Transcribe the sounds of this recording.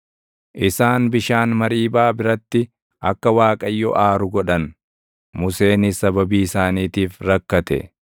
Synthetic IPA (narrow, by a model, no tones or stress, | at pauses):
ʔɪsaːnbɪʃaːnmɐɾiːbaːbɪɾɐt̪ːɪ | ʔɐkːɐwaːkʼɐjːɔʔaːɾʊɡɔᶑɐn | mʊse̞ːnɪsɐbɐbiːɪsaːniːt̪iːfɾɐkːɐt̪ɛ̰